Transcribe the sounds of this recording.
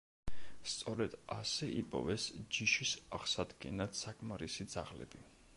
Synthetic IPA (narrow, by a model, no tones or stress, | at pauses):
st̪sʼɔɾɛd̪̥asɛʔipʼɔ̰vɛsd͡ʒiʃisaʁsad̪ɡɛnat̪sakʼmaɾisid̪zaʁlɛ̰bi